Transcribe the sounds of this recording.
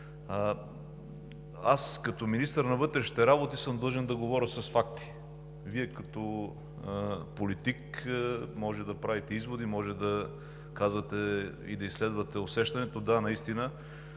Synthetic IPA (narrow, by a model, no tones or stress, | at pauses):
askɐt̪ɔminist̪əɾnɐvɤt̪ɾɛʃi̥t̪ɛɾabot̪isɤmd̪ˠʒɛnd̪ɐɡovɔɾʲəsɐsfakt̪i̥ | viɛkɐt̪ɔ | polit̪ik | mɔʒɛd̪ɐpɾavit̪ɛizvod̪imɔʒɛd̪ɐ | kazvɐt̪ɛḭd̪ɐislɛd̪vɐt̪ɛosɛʃt̪ɐnɛt̪od̪anɐist̪inə